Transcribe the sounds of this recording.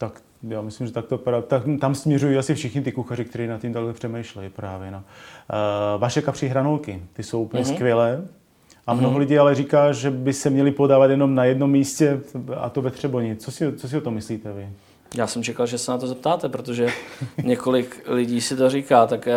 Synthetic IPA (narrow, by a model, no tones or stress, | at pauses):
t̪ak | jaːmɪslimʒɛt̪akt̪opɾat̪akt̪amsmɲɛrujiːasɪfʃɪxɲɪt̪ɪkuxarɪk̚t̪ɛɾiːnat̪cimt̪aklɛpr̥ɛmɛjʃlɛjipɾaːvjɛno | vaʃɛkapr̥iɦɾanolkɪt̪ɪso̞wʔupl̩ɲɛskvɪjɛlɛː | ʔamnoɦolɪɟiːalɛrikaːʒɛbɪsɛmɲɛlɪpodaːvat̪jɛno̞mnajɛdno̞mːiːscɛa̰t̪ovɛt̪r̝̥ɛboɲɪt͡sosɪt͡sos̬ɪot̪omːɪsliːt̪ɛvɪ | jaːsɛmt͡ʃɛkalʒɛsɛnat̪ozɛpt̪aːt̪ɛpɾot̪oʒɛɲɛkolɪklɪɟiːsɪt̪orikaːt̪akː